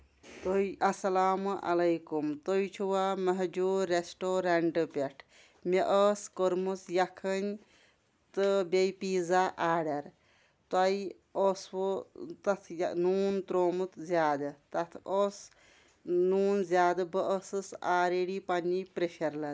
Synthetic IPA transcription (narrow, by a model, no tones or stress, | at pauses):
t̪ojʔɐsɐlaːmʔɐ̰lɐjkumt̪ojt͡ʃʰuwaːmɐɦd͡ʒuːɾesʈoːɾɐɳɖɨpʲeʈʰ | meʔəːskoɾmusjɐkʰɐnʲ | t̪ɨbʲejpiːzaːʔaːɖɐɾ | t̪waj | oːswot̪ɐt̪ʰjnuːnt̪ɾoːmut̪ʰzʲaːd̪ɨt̪ɐt̪ʰoːs | nuːnzjaːd̪ɨbəʔəsɨsaːɾeɽipɐnːipɾeʃɐɾlɐ